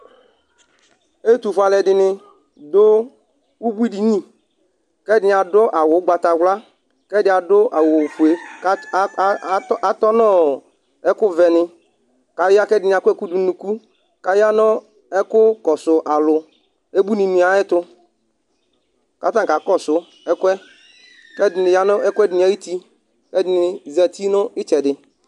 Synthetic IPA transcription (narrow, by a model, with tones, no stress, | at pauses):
e˦tu˨fa˨lɛ˨dɪ˨nɪ˦ | dʊ˦ | u˦bu˦i˦di˨ɲĩ˦ | kɛ˦dɪ˨˦nɪ˨a˨dʊ˦ʔa˨wʊ˨˦ɡ͡ba˨ta˨wla˦ | kɛ˦dɪ˨˦a˨dʊ˦ʔa˨wo˨fu˨e˨˦˨ | a˦tɔ˦nɔ˦ | ɛ˦kʊ˦vɛ˨nɪ˨ | ka˨ja˦kɛ˦dɪ˨nɪ˨a˨kɛ˦ku˦du˨˦nu˨ku˦ | ka˨ja˦nʊ˦ | ɛ˦kʊ˦kɔ˨sʊ˨ʔa˨lʊ˨ | e˦bu˦ni˨mĩ˨˦a˨ɛ˦t̪ʊ˦ | ka˦t̪a˦˨ka˨˦kɔ˦sʊ˨ | ɛ˦kwɛ˦ | kɛ˦dɪ˨nɪ˨ja˦nʊ˦ɛ˦kɛ˦dɪ˨nɪ˨a˨˦ji˦t̪i˦ | kɛ˦dɪ˦nɪ˨zɛ˨t̪i˦nʊ˦ɪ˦t͡ʃɛ˨dɪ˨